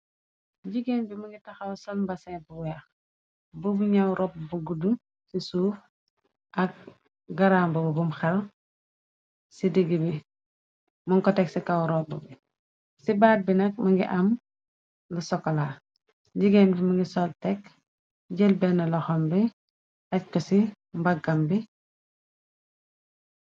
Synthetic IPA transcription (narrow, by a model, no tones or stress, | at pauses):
ɟiɡenbimuŋɡitaxawsɔlmbasɛbuwjax | bobuɲawɾɔp̚buɡudu | sisuːf | ʔak̚ | ɡaɾambububumxɛl | sidiɡibi | muŋkɔteksikawɾɔbubi | sibaːt̚binɐk̚mɐŋɡḭʔam | lusɔkɔla | ɟiɡenbimaŋɡisɔltɛk | ɟɛlbɛnːɐlɔxɔmbi | ac̚kɔsi | mbaɡɐmbi